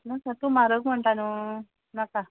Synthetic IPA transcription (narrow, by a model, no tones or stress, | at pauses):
nakat̪umaɾəkm̤əɳt̪anu | naka